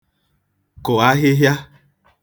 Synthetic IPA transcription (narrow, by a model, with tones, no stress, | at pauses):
ko˨a˦ɦe˦ɦja˦